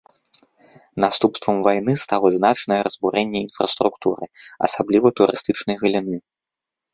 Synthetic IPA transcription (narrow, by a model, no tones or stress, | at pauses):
nast̪upst̪vɐmvajnɨst̪alˠɐznat͡ʂnɐjɛɾɐzbuɾɛnʲːɛinfɾɐ̰st̪ɾukt̪uɾɨ̰ɐ̰sablʲivɐt̪uɾɨst̪ɨt͡ʂnɐjɣɐlʲinɨ